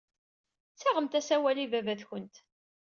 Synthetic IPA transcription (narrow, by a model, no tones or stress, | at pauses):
t͡sːaʁəmt̪æsæwælivævæθçənt̪